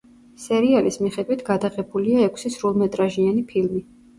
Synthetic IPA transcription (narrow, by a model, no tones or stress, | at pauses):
sɛɾialismiχɛd̪wit̪ʰɡ̥ad̪aʁɛbuliaɛkʷʰsisɾulˠmɛt̪ʼɾaʒianipʰilmi